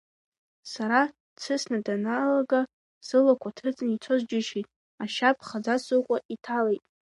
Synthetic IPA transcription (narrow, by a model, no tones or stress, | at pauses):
saɾa | t͡sʰɨsnadanalaɡa | z̥ɨlakʷʰatʰɨt͡sʼnit͡sʰozd͡ʒɪʃijtʼ | aʃapʼʰχad͡zasɨqʷʼaʔitʰalejtʼ